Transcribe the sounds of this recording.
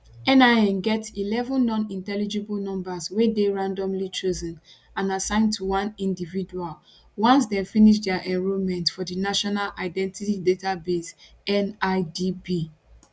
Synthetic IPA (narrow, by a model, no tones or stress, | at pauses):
ɛ̃naɛ̃nɡɛtilɛvə̃nːɔ̃nĩntɛlid͡ʒɛbɔlnɔ̃mbaswedeɹãndɔ̃mlit͡ʃozə̃n | ãnasãɪ̃ntʰuwãnĩndividual | wɔ̃ns̬definiʃ̬dɛaʔɛ̃ɹumɛ̃ntfɔdinaʃɔnalʔaɪdɛ̃ntitidetabes | ɛnaɪdibi